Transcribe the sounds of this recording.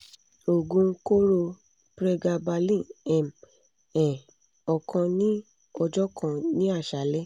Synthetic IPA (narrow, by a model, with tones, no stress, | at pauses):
o˨ɡũ˧˦ko˦ɾo˧ | pɾɛ˧ɡa˧ba˧lĩ˦˨ɛ̃˨m | ɛ̃˨ | ɔ˨kʰã˧nĩ˦ | ɔ˧d͡ʒɔ˦kʰã˧˨nĩ˦a˦˨ʃa˨˦lɛ˦